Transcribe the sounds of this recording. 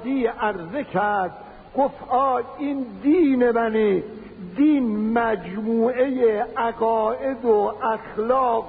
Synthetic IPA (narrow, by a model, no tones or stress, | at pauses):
d̪iːæɾzekʰæɾɾd̪̥̚ | ɡoft̪ɒːjind̪iːnemæne | d̪iːnmæd͡ʒmuːejeʔæɡɒːʔed̪oʔæxlɒːq